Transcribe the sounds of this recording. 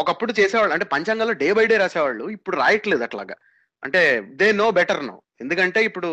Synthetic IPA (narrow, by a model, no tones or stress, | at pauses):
ɔkɐpːuɽut͡ʃɛːsɛːʋaːɭuɐɳʈe̞ːpɐɲt͡ʃɐŋɡaːloːɖeːbɐjɖe̞ːɾaːsɛːʋaːɭːuipːuɽuɾa̰ːjɐʈleːd̪ɐʈla̰ːɡa̰ | ɐ̰ɳʈe̞ːd̪eːnoːbɛʈɐɾno̰w | e̞nd̪ukɐɳʈe̞ːipːuɽu